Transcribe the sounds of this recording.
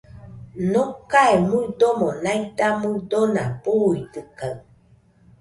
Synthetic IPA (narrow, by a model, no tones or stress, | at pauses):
nokaemudomonajt̪amudonapuitɯkaɰ